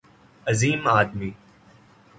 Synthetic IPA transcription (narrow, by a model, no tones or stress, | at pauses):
əziːmaːd̪miː